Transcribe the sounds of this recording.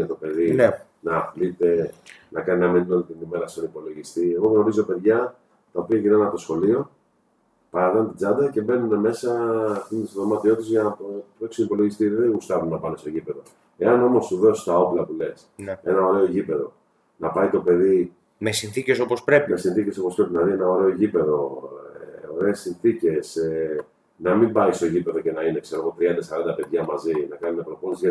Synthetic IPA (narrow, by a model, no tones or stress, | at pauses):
et̪o̞pe̞ðin | nɐːplit̪e̞nɐkɐninɐmeninolit̪inime̞ɾɐsonipo̞lo̞ʝist̪ie̞ɣo̞ɣno̞ɾizope̞ðʝɐ | t̪ɐo̞piɐʝinanɐt̪o̞sxo̞lio̞ | pɐɾɐvent̪id͡zɐnd̪ɐce̞be̞nune̞me̞sɐːft̪int̪isðomɐt̪iot̪izʝɐnɐpoeksunipo̞loʝist̪iðeɣust̪ɐvunɐpɐnest̪oʝipe̞ðo̞ | e̞ɐno̞mo̞st̪uðo̞si̥st̪ɐo̞plɐpule̞sne̞nɐo̞ɾe̞o̞ʝipe̞ðo̞̰ | nɐpɐjt̪o̞pe̞ði | mesinθicesopospɾe̞pimesinθice̞so̞pospɾe̞pinɐðie̞nɐo̞ɾe̞o̞ʝipe̞ðo̞ḛo̞ɾe̞ːsinθice̞se | nɐmimbɐist̪o̞ʝipe̞ðo̞ce̞nɐine̞kseɾoɣo̞t̪ɾiɐnd̪ɐsɐɾɐnd̪ɐpe̞ðʝɐmɐzinɐkɐninɐpɾoponezʝɐ